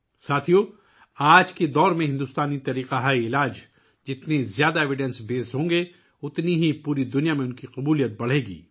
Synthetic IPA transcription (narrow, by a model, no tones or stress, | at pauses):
saːt̪ʰijo | aːd͡ʒked̪ɔːɾmẽɦɪ̃nd̪ʊst̪aːnit̪ɐɾiːqaɦaːiɪlaːd͡ʒ | d͡ʒɪt̪nezjaːd̪aeːʋɪɖɛ̃nsbeːsɦõːŋɡe | ʊt̪niɦipuːɾid̪ʊnijamẽʊnkiqʊbuːlijət̪̚bɐɽ̤eːɡḭː